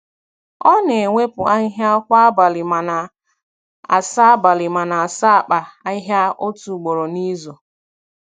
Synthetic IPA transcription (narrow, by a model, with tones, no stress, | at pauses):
ɔ˦ne˨e˨ŋʷe˦pʊ˨a˦ɦja˦kʷa˦ba˨lɪ˨ma˨na˨ | a̰˨sa˦a˦ba˨lɪ˨ma˨na˨a˨sa˦a˨k͡pa˨a˦ɦja˦o˦tu˨ɡ͡bo˨ɾo˨ni˦zo˨